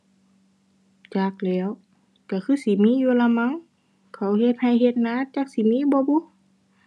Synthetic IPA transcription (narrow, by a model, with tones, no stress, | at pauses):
t͡ɕaː˧˩k̚lɛː˧˦˨w | ka˧˩kʰɯː˧˥˨si˨˦miː˧˥˨juː˧la˧ma˧˥˨ŋ | kʰa˧˩whe˧t̪̚ha˧˩˨jhe˧t̪̚naː˧˥˨t͡ɕaː˧˦k̚si˧˨˦miː˧˥˨bɔː˧˦bu˧˦˨